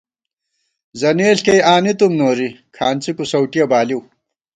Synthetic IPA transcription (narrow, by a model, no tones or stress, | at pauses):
zɐneːlkejaːnit̪umnoːɾikʰaːnt͡sikusɐwʈijɐbaːliw